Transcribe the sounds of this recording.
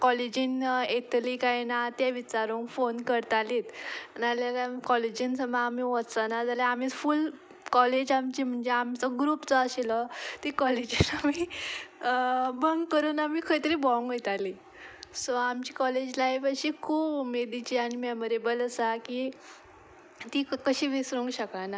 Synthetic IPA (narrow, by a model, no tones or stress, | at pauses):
kɔled͡ʑiːnet̪liːkajnat̪jaʋit͡ɕaɾoŋkfonkəɾt̪aliːt̪naljakakɔled͡ʑiːnsəmaːmiʋɔt͡sanad͡zaljaamiful | kɔled͡ʑamt͡ɕiːm̤əɳd͡zeamt͡sɔɡɾuːpt͡sɔaɕilɔt̪ikɔled͡ʑinami | bəŋɡkːəɾuːnamiːkʰəɽit̪əɾiːbɔŋɡet̪ali | sɔamt͡ɕiːkɔled͡ʑlajʋəɕiːkʰuːbumed̪it͡ɕiaɽ̃imɛməɾebələsakiː | t̪iːkəɕiːʋisɾuŋɡɕəkana